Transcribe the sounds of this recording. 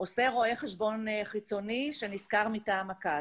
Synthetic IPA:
oseʁo̞eχeʃbo̞nχit͡so̞niʃeniskaʁmitaːmaka

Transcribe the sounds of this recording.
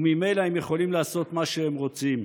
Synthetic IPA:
mime̞jlaemjeχo̞limlaːso̞t̪maʃeemʁo̞t͡sim

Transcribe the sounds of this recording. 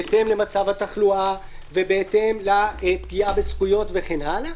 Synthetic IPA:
et̪e̞mle̞mat͡savhat̪aχlua | vebe̞et̪e̞mlap̚ɡiabesχujo̞tve̞χe̞nʔala

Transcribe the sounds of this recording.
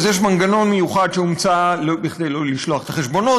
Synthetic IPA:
zjeʃmaŋɡano̞nmejuχad̪ʃeumt͡salobiχd̪ejloliʃloaχet̪aχeʃbo̞no

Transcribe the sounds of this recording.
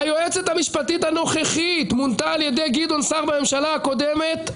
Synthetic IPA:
ajo̞et͡set̪hamiʃpat̪it̪hano̞χeχit̪munt̪aːljed̪ejɡid̪o̞nsaʁbame̞mʃalaako̞d̪emet̪

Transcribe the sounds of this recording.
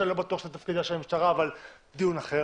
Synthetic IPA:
elo̞bat̪uaχʃe̥at̪afkid̪aʃeamiʃtaʁaːval | d̪ijunaχe

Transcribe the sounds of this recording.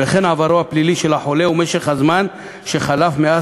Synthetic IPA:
eχenʕavaɾoapliliʃe̞laħo̞le̞umeʃeχhazman | ʃeχalafmea

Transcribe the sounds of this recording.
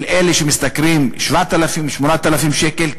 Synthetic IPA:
lʔe̞leʃemist̪akʁimʃvat̪alafimʃmonat̪alafimʃeke̞l

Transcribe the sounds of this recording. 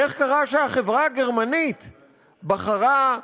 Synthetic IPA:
e̞χkaʁaʃeaχe̞vʁaaɡe̞ʁmanit̪ | baχaʁa

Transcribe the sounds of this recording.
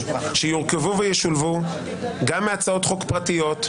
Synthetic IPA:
ʃejiʁkevuvejeʃulvu | ɡamːeat͡sao̞t̪χo̞kpʁatijo̞t

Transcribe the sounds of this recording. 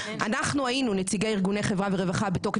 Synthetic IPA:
anaχnuainunet͡siɡeiʁɡunejχevʁaveʁe̞vaχabetoχe

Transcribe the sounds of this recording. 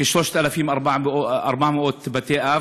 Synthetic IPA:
ɪʃloːʃt̪alafiːmʔɑɾˤbaʕʔoʔɑ̰ɾˤbaʕmɪʔoːt̪bat̪eːʔa

